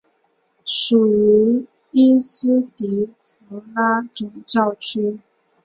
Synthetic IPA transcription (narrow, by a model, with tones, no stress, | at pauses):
ʂu˨˩y˧˥ | i˥sɹ̩˥t̪i˧˥˦fu˧˥la˥ʈ͡ʂʊ˨˩ŋʈ͡ʂɑ˥˩ʊʈ͡ʂʰu˥